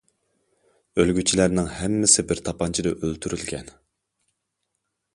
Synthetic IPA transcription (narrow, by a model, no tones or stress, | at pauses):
ølɡʲyt͡ʃʰilæɾnɪŋhɛmːɪsɪbɪɾt̪ʰɑpʰɑnt͡ʃʰid̪ɛʔølt̪ʰyɾylɡʲɛn